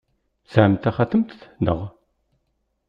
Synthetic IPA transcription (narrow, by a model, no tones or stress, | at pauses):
sæʕmt̪aχaθəmt̪nə̰ʁ